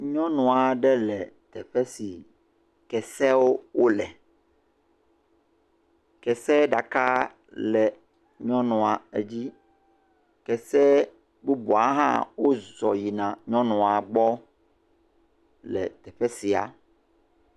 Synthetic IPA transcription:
ɲɔ̃˦nũ˨a˨ɖɛ˦lɛ˨t̪ɛ˨ɸɛ˦si˨ | kɛ˨sɛ˦wo˦wo˦lɛ˨ | kɛ˨sɛ˦ɖa˨ka˦ | lɛ˨ | ɲɔ̃˦nɔ̃˨a˨e˦d͡ʑi˦ | kɛ˨sɛ˦ | bu˦bu˨a˨˦ɦã̰˦wo˦zɔ˨ji˨nã˨ɲɔ̃˦nɔ̃˨a˨ɡ͡bɔ˦ | lɛ̰˨t̪ɛ˨ɸɛ˦si˨a̰˨

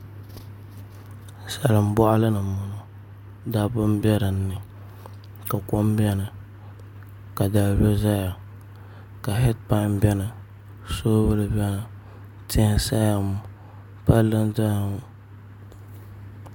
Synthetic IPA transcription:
sa˨lɨ˨m˦bɔ˦ʔa˦lɨ˦nɨ˨mʊ˨nɔ˦˨ | da˦bʊ˦m˦bɛ˦ɾɨ˨n̩ː˦ɨ˨ | ka˨ko˦m˦bɛ˦nɨ˨ | ka˨da˨bɛ˦za˦ja˨ | ka˨ɦɛ˦tpa˦bɛ˦nɨ˨ | soː˦bɨ˦lɨ˨bɛ˦na˨ | tʰɪ˦sa˦ja˨mʊ˨ | pa˦lɨ˦nda˦a˨mʊ˨

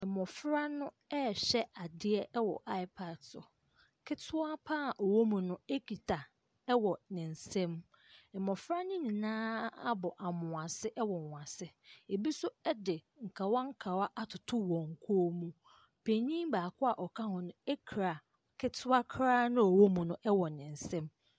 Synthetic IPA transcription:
mɔ̃˨fɾa˦nʊ̃˦ | ɛ˦˨ɕɛ˦a˨dɪ˦ɛ˦ɛ˦wɔ̰˨ʔa˦ɪ˦pʰa˨dsɔ̰˨ | kʰɪ˦tʰʊ˦a˦pʰaː˦˨ʔo˨wo˦mũ˨nʊ̃˦e˦kʰi˨tʰa˨ | ɛ˦wɔ˨nɪ̃˨n̩˨sɛ̃˦m | ɛ˨mɔ̃˨fɾa˦nʊ̃˦ɲĩ˨nãː˦a˦bɔ˨ʔa˨mʊ̃˨a˨sɪ˦ʔɛ˦wɔ˨ã˨sɪ˦e˨bi˦sʊ˦ɛ˦dɪ˨ | ŋ̩˨kʰa˨wa˦ŋ̩˦kʰa˨wa˦ʔa˦tʰʊ˨tʰʊ˦wɔ̃˨ŋ̩˨kʰoː˦mũ˦ | pʰe˨ɲĩ˦mbaː˨kʰʊ˦a˨ʔɔ˨kʰa˦hʊ̃˨nʊ̃˦e˦kʰɾa˨ | kʰɪ˦tʰʊ˦a˦kʰɾaː˦nʊ̃˦ɔ˨wo˦mũ˨nʊ̃˦ʔɛ˦wɔ˨nɪ̃˨n̩˨sɛ̃˦m

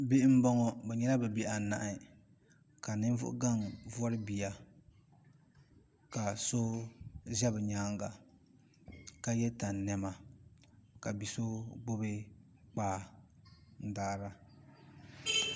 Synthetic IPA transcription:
bi˦ʔm̩˦bɔ˦ŋɔ˨bɛ˨ɲɛ˦la˦bɛ˨be˨ʔa˨na˨ʔɪ˨ | ka˨nɨ˦n˦vʊ̰˦ʔʊ̰˦ɡa˦˨ŋvɔ˦ɾɨ˦bi˨ja˨ | ka˨so˦zɛ˦bɨ˨ɲaː˦ŋɡa˨ | ka˦jɛ˦ta˨nː˨ɛ˨ma˨ | ka˨bi˨so˦ɡ͡bo˦be˦ | k͡paː˦˨ | n̩˦daː˦ɾa˦

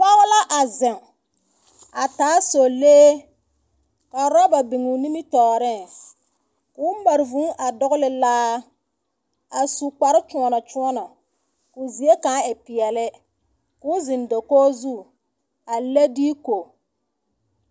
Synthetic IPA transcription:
k͡pa˦ɣʊ˦la˦ʔa˨zɪ˨ŋ | a˨taː˨˦so˨leː˦ | ka˨ɾɔ˦ba˨bɪ˨ŋu˨ni˦mɪ˦tɔː˨ɾɪ˦˨ | kʊː˨˦m˦ba˨ɾɪ˨vũ˨˦ʔa˨dɔ˦ɣʊ˦lɪ˨laː˦ | a˨su˨k͡pa˨ɾɪ˦t͡ʃu˨ɔ˨na˨t͡ʃu˦ɔ˦na˨ | kʊ˨zi˨˦e˦ka˨˦ɪ˨pɪ˨ɛ˨lɪ˦ | kʊ˦zɪ˨ndo˨koː˦zu˦˨ | a˨le˦diː˦ko˨

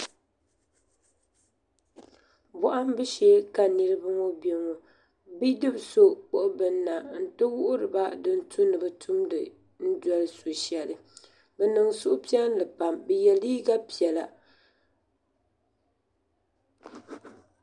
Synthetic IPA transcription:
bɔ˨ʔa˦m˦bɨ˦ʃɛ˦ka˨nɨ˦ɾɨ˦bɨ˦ŋo˦be˨ŋo˨ | bi˦dɨ˦bso˦k͡po˦ʔʊ˦bɨ˨nː˦a˨n̩˨tɨ˦wʊ˦ʔʊ˦ɾɨ˨ba˦dɨ˦n̩˦tʰu˦nɨ˨bɨ˦tʰu˦mdɨ˨ | n̩˦dɔ˦lɨ˦so˨ʃɛ˨lɨ˨ | bɛ˨nɨ˨ŋsʊ˦ʔʊ˦pi˦ɛ˦n˦lɨ˨pa˨mbɛ˨jɛ˨liː˦ɡa˦pi˨ɛ˨la˨

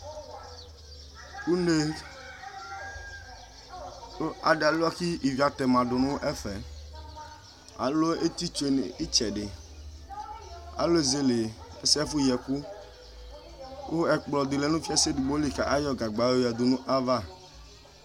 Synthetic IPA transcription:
ku˦ne˦ | o˦a̰˨ɖe˨a˨la˦ki˦ʔi˨vi˨a˨t̪ɛ˨mã˨ɖʊ˨nũ˦ʔɛ˦fɛ˨ | a̰˨lo˦e˦t̪i˦t͡ʃo˦e˨ne˨i˦t͡ʃɛ˨ɖe˨ | a̰˨lo˦e˦˨ze˦le˨e˦sɛ˦fu˦jɛ˨ku˦ | wʔo˦ɛ˨k͡plɔ˨d̪e˨le˨˦nũ˦fi˦a˦se˦di˨bo˦li˨ka˨ʔa˦jɔ˦ɡa˨ɡ͡ba˨we˦ja˨d̪o˨nũ˦ʔa˦va˦˨

